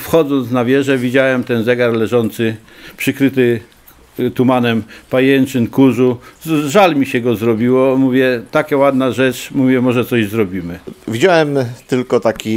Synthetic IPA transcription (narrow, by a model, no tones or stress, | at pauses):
fxɔd̪zɔnt̪snavʲjɛʐɛvʲid͡ʑawɛmt̪ɛnzɛɡaɾlɛʐɔnt̪sɘ | pʂɘkɾɘt̪ɘ | t̪umanɛmpajɛnt͡ʂɘnkuʐuʐalmʲiɕɛɡɔzɾɔbʲiwɔmuvʲjɛt̪akʲɛwad̪naʐɛt͡ʂmuvʲjɛmɔʐɛt̪sɔʑzɾɔbʲimɘvʲid͡ʑawɛmt̪ɘlkɔt̪akʲi